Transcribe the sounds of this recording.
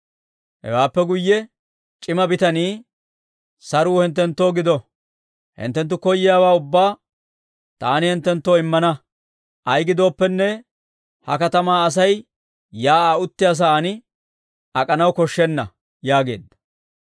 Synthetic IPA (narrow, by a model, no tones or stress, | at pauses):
hɛ̰waːpːɛɡʊjːɛ | t͡ʃʼɪmɐbɪt̪ɐniː | sɐɾuːhɪnt̪ːɛnt̪ːo̞ːɡɪd̪ɔ | hɪ̰nt̪ːɛnt̪ːʊkɔjːɪjaːwaːʊbːaː | t̪a̰ːnɪhɛnt̪ːɛnt̪ːoːɪmːɐnɐ | ʔɐjɡɪd̪o̞ːpːɛnːɛ | hɐkɐt̪ɐmaːɐs̬ɐj | jaːaʊt̪ːɪjaːs̬aːnɪ | ɐkʼɐnɐwkɔʃːɛnːɐ̰ | jaːɡe̞̰ːd̪ːɐ̥